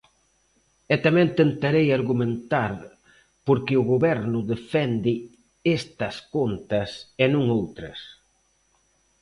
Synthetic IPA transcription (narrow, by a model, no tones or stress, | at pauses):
ɛt̪amɛ̃ŋt̪ent̪aɾejaɾɣumẽnt̪aɾ | poɾkɪʊɣoβɛɾnʊðefɛnd̪ɪ | est̪ɐskont̪ɐsenũŋowt̪ɾɐ̰s